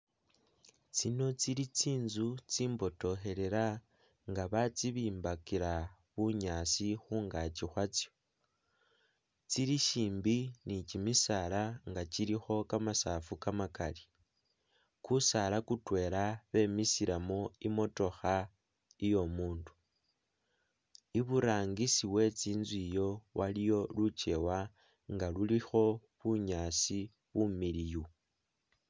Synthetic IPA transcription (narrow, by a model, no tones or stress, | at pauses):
t͡sino̞t͡siɾit͡siːnzut͡siːmbo̞to̞xe̞ɾe̞ɾa | ŋɡaβat͡siβiːmbakiɾa | βuɲaːsixuːŋɡat͡ʃixwat͡sjo̞ | t͡siɾiʃiːmbinicimisalaŋɡat͡ʃiɾixo̞kamasafukamakali | kusalakutwe̞laβe̞misiɾamo̞imo̞to̞xa | ijo̞muːndu̥ | iβuɾaːŋɡisiwe̞t͡siːnzwijo̞wʔalijo̞lut͡ʃe̞wa | ŋɡalulixo̞βuɲaːsi | βumiliju